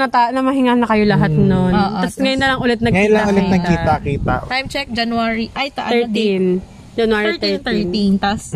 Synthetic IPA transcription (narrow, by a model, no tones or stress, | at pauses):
ŋɐt̪anɐmɐɦɪŋaːnɐkɐjo̞lɐɦat̪nonːt̪ɐsŋɐjonːɐlɐŋʔʊlɛt̪̚nɐɡɐkjiʊlɐʔʊlɛt̪̚nɐɡ̚kiːt̪ɐkiːt̪a̰ʔt̪ajmt͡ʃɛk̚d͡ʒɐnwaɹiʔajt̪ɐʔaɛt̪in | d͡ʒɐnwaːɹit̪ɛɹt̪ɛint̪ɐs